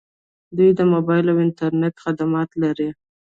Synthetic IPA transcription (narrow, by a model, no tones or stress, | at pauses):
d̪ujd̪əmobɑjɪlawɪnt̪aɾneʈxad̪amɑt̪laɾi